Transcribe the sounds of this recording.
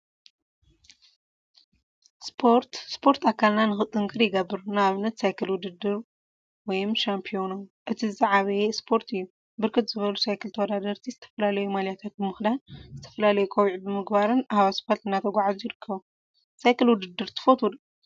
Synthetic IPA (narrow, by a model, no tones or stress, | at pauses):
spʰoɾt̪spʰo̞ɾt̪ʰakʰːalnanɨxɨt̪ʼːɨŋkʰʼɨɾjɪɡɐbːɨɾunaβɨnːɐt̪sajkʰɨlwʊd̪ɨd̪ːɨɾ | wɔjmʃampʰijo̞noʔɨt̪ʰizɨzʼaʕaβɐjespʰo̞ɾt̪ʰɨjːu | bɨɾkʰɨt̪z̥ɨβɐlusajkʰɨlt̪ʰɐwɔd̪ad̪ɐɾt̪ʰizɨt̪ʰɐ̥fɐlalɐjumaljat̪ʰat̪̚bɨmɨxd̪anzɨt̪ʰɐ̥fɐlalɐjukʼoβʕibɨmɨɡbaɾɨnahβasɨ̥fat̪ɨnːat̪ʰɐɡʷaʕazujɪɾɨkʰːɐβu | sajkɨlwʊd̪ɨd̪ːɨɾt̪ʰɨ̥fot̪ʰud̪